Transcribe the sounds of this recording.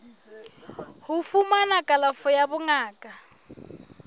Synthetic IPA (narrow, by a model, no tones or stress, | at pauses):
hufumanakʼalafɔjabʊŋaːkʼa